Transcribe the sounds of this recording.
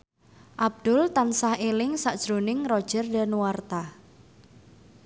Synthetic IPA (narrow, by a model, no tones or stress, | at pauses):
ʔab̚d̪̥ʊlt̪ansahelɪŋsaʔd̥ʒ̥ɾonɪŋrɔd̥ʒ̥ərda̤nuwart̪a